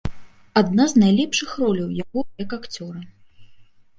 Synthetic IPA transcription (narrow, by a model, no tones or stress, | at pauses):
ad̪naznajlʲɛpʂɨxrɔlʲɐwjaɣɔjɐkakt͡sʲɔɾɐ